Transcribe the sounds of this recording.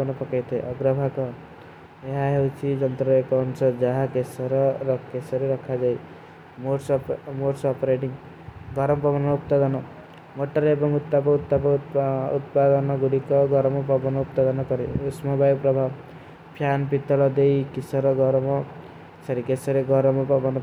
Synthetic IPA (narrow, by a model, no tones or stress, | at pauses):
nɔpɔkajt̪ʰɔeʔɔɡɾʌbʱakɔ | eɦaɦewt͡ʃʰid͡ʒʌnt̪ɾɔekɔɔnsʌd͡ʒaɦakesɔɾɔɾkesʌɾeɾɔkʰːad͡ʒaj | moʈsmoɾsːpɔɾeʈiŋ | ɡʱʌɾɔmpɔbanmɔupt̪ad̪ɔnɔ | moʈʌɾebʌŋut̪ːapɔut̪ːapɔut̪pad̪ʌnʌɡuɽikɔɡʱʌɾɔmapʌbɔnɔupt̪ad̪ʌnʌkʌɾeusmʌbajpɾʌbʱa | pʰjanpit̪ːɔlʌd̪ejkisʌɾʌɡʱʌɾɔmʌ | ksʌɾikesʌɾeɡʱʌɾɔmapʌbʌnʌ